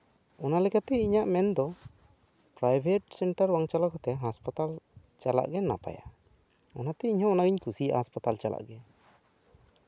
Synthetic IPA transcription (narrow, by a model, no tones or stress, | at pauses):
ɔnalɛkat̪ɛiɲaʔmɛnd̪ɔ | pɾajbʱɛʈsɛɳʈaɾwaŋt͡ʃalakɔt̪ɛɦaspat̪alt͡ʃala̰ʔɡɛna̰pa̰ja̰ | ɔnat̪ɛiɲhɔ̃ːnaɡiɲkusijahaspat̪alt͡ʃala̰ʔɡɛ